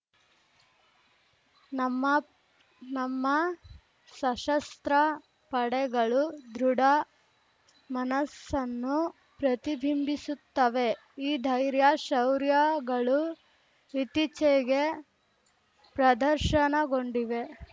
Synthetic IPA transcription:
nɐmːɐ | nɐmːɐ | sɐʃɐst̪ɾɐ | pɐɽɛɡɐɭud̪ɾuɽɐ | mɐnɐsːɐnːu | pɾɐt̪ibʱimbisut̪ːɐʋe̞ | iːd̪ʱɐjɾjaʃɐwɾjaɡɐɭu | ʋit̪it͡ʃɛɡe̞ | pɾɐd̪ɐɾʃɐnɐɡo̞ɳɖiʋe̞

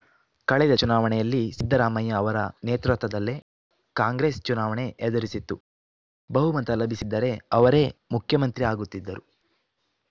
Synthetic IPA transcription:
kɐɭɛd̪ɐt͡ʃunaːʋɐɳɛjɐlːisid̪ːɐɾaːmɐjɐːʋɐɾɐneːt̪ɾɐt̪ʋɐd̪ɐlːe̞ | kaːŋɡɾe̞ːst͡ʃunaːʋɐɳe̞ʔːd̪ɐɾisit̪ːu | bɐɦumɐnt̪ɐlɐbʱisid̪ːɐɾe̞ɐʋɐɾe̞mukʰjɐmɐnt̪ɾiaːɡut̪ːid̪ːɐɾu

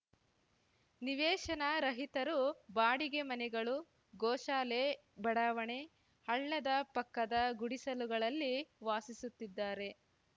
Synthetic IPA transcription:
niʋɛːʃɐnɐɾɐɦit̪ɐɾubaːɽiɡe̞mɐnɛɡɐɭu | ɡɔːʃaːle | bɐɽaʋɐɳe̞ | hɐɭːɐd̪ɐpɐkːɐd̪ɐɡuɽisɐluɡɐɭɐlːiʋaːsisut̪ːid̪ːaːɾe̞

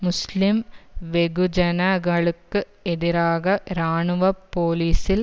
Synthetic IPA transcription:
muslimʋeɣud͡ʑɐnɐɡɐɭɯkːɨ | eðiɾaːɣɐɾaːɳuʋɐpːoːliːsil

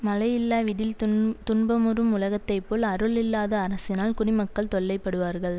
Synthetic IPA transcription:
mɐlɐjɪlːaːʋɪɽɪlt̪ʊɳbɐmʊrɯmʊlɐɣɐt̪ːɐɪpːoːlɐɾɯlɪlːaːðɐːɾɐsɪnaːlkʊɽɪmɐkːɐɭt̪ɔɭːɐɪpːɐɽɯʋaːɾɣɐɭ

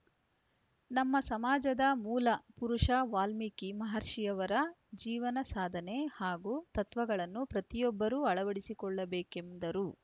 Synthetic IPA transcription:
nɐmːɐsɐmaːd͡ʒɐd̪ɐmuːlɐpuɾuʂɐʋaːlmikimɐɦɐɾʂijɐʋɐɾɐd͡ʒiːʋɐnɐsaːd̪ʱɐne̞haːɡut̪ɐt̪ʋɐɡɐɭɐnːupɾɐt̪ijɔbːɐɾuːɐɭɐʋɐɽisikɔɭːɐbeːkemd̪ɐɾu

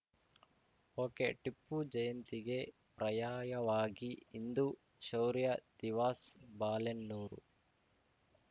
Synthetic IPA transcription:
oːkeʈipːud͡ʒɐjɐnt̪iɡe̞ | pɾɐjaːjɐʋaːɡiːnd̪u | ʃɐwɾijɐd̪̥iʋaːsbaːlenːuːɾṵ

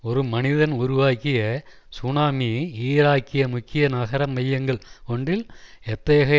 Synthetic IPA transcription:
ɔɾɯmɐnɪðɐnʊɾʊʋaːkɪjɐ | sʊnaːmiiːɾaːkːɪjɐmʊkːɪjɐnɐɣɐɾɐmːɐjːɐŋɡɐɭɔɳdrɪlɛt̪ːɐjɐɣɐ

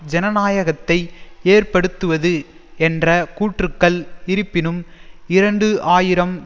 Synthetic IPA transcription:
d͡ʒɛnɐnaːjɐɣɐt̪ːɐɪeːrpɐɽɯt̪ːɯʋɐðɯ | ɛndrɐkuːʈrɯkːɐɭɪɾɯpːɪnɯmɪɾɐɳɖɯʔaːjɪɾɐm

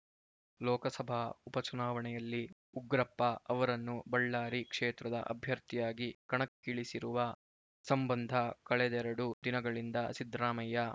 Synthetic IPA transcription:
lɔːkɐsɐbʱaupɐt͡ʃunaːʋɐɳɛjɐlːi | uɡɾɐpːɐɐʋɐɾɐnːubɐɭːaːɾikʂɛːt̪ɾɐd̪ɐ̰ʔɐ̰bʱjɐɾt̪ijaːɡikɐɳɐkːiɭisiɾuʋɐ | sɐmbɐnd̪ʱɐkɐɭɛd̪ɛɾɐɽud̪inɐɡɐɭind̪ɐsid̪ɾaːmɐjɐ

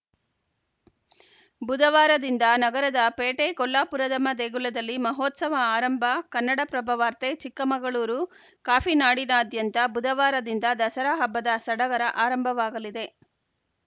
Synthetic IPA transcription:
bud̪ɐʋaːɾɐd̪ind̪ɐnɐɡɐɾɐd̪ɐpeːʈekɔlːaːpuɾɐd̪ɐmɐd̪eːɡulɐd̪ɐlːimɐɦoːt̪sɐʋɐaːɾɐmbʱɐkɐnːɐɽɐpɾɐbʱɐʋaːɾt̪et͡ʃikːɐmɐɡɐɭuːɾu | kaːpʰinaːɽinɐːd̪jɐnt̪ɐbud̪ʱɐʋaːɾɐd̪ind̪ɐd̪ɐsɐɾaɦɐbːɐd̪ɐsɐɽɐɡɐɾɐʔaːɾɐmbʱɐʋaːɡɐlid̪e̞

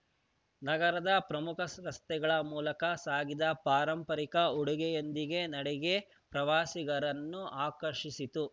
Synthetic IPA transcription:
nɐɡɐɾɐd̪ɐpɾɐmukʰɐsɾɐst̪ɛɡɐɭɐmuːlɐkɐsaːɡid̪ɐpaːɾɐmpɐɾikɐuɽuɡɛjond̪iɡe̞nɐɽɛɡe̞ | pɾɐʋaːsiɡɐɾɐnːuʔaːkɐɾʃisit̪u

